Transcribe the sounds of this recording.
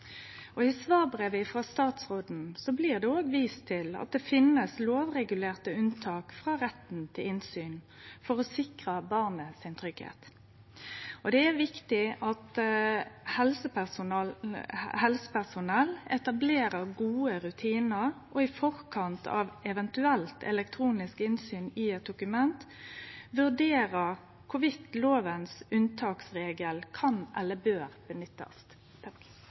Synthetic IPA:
ɔɪsʋɑːʁbʁeːʋɪfʁɑst̪ɑːt̪sʁoːd̪n̩sɔbliːʁd̪ɛoːɡʋiːst̪ʰɪlɑ̰t̪̚d̪ɛfɪnəsloːʋʁɛɡʉleːʁt̪əʉnt̪ʰɑːkfʁɑːʁɛt̪n̩t̪ʰɪlɪnsyːn | fɔʁɔsɪkʁəbɑʁnəsɪnt̪ʰɾʏɡhḛːt̪ | ɔd̪ɛæʁʋɪkt̪ɪɑt̪ | hɛlsəp | hɛlsə̥pæʁsʊnɛlɛt̪ɑbleːɾəɾɡuːəɾʉt̪ʰiːnəɾ | ʔɔɪfɔɾkʰɑnt̪ʰɑ̰ːʋɛʋɛnt̪ʉɛlt̪ʰɛ̰lɛk̚t̪ʰɾuːnɪskɪnsyːnɪɛt̪̚d̪ʊkʉmɛnt̪ʋʉʁd̪eːɾəɾ | kʰʊʋɪt̪loːʋənsʉnt̪ʰɑːksʁeːɡəlkʰɑnʔɛ̰lːəbøːɾb̥ənʏt̪ːɑ̰st̪

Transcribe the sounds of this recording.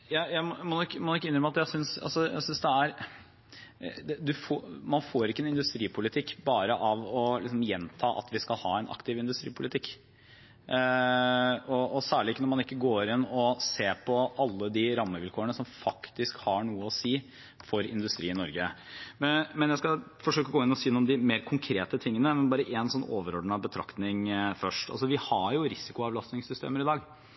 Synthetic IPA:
jæjæɪmɔmɔnkːmɔnʊɪkːəɪnɾəməɑt̪jæɪsʏnsɑ̰lsɔjæ̰ɪsʏnsd̪ɛæɾ | d̪ɛd̪ʉfomɑnfoːɾɪkːəɛnɪnd̪ʉst̪ɾiːpʰʊlɪt̪ʰɪkːbɑːɾəʔɑʋɔlɪksɔmjɛnt̪ʰɑːʔɑ̰t̪ʋɪskɑlhɑːɛnʔɑ̰kt̪ɪʋɪnd̪ʉst̪ɾḭːpʰʊlɪt̪ʰɪkː | ɔɔsæːɭɪɪkːənɔɾmɑnɪkːəɡoːɾɪnɔseːɾpʰɔɑlːəd̪ɪɾɑmːəʋɪlkʰoːəɳəsɔmfɑkt̪ɪskhɑɳuːəɔsiː | fɔɾɪ̰nd̪ʉst̪ɾiːɪnɔɾɡə | mɛnjæɪskɑfɔʂøːkːəɔɡoːɪnɔsiːnːɔmd̪ɪmeːɾkʰʊŋkʰɾeːt̪ət̪ʰɪŋːənəmɛnbɑːɾəʔɛnsɔnːoːʋəɾɔɖɳɑbət̪ʰɾɑ̰kt̪nɪŋfœʂʈɑ̰lsɔʋɪhɑɾjʊɾɪsɪkʊɑʋlɑst̪nɪŋsʏst̪ḛːməɾɪd̪ɑːɡ

